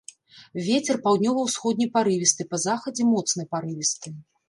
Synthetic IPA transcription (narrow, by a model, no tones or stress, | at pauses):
vʲet͡sʲɛrpawd̪ʲnʲɔvɐwsxɔd̪ʲnʲijpaɾɨvʲist̪ɨpɐzaxɐd͡zʲɛmɔt̪snɨjpaɾɨvʲist̪ɨ